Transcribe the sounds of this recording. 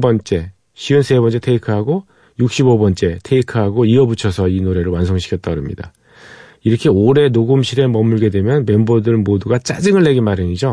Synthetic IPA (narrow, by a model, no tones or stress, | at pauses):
bʌnt͡ɕ͈e̞ | ɕʰiɯnsʰe̞bʌnt͡ɕ͈e̞tʰe̞ikʰɯɦaɡo | juk̚ɕ͈ibobʌnt͡ɕ͈e̞tʰe̞ikʰɯɦaɡoiʌbut͡ɕʰʌsʰʌinoɾe̞ɾɯɭwans̬ʰoŋɕʰi̥kʰʌt͈̚ʌɾɯmɲḭda | iɾʌkʰe̞oɾe̞noɡɯmɕʰiɾe̞mʌmuɭɡe̞dwe̞mjʌnme̞mbodɯɭmoduɡat͡ɕ͈ad͡ʑɯŋɯɭːe̞ɡinmaɾɯɲid͡ʑo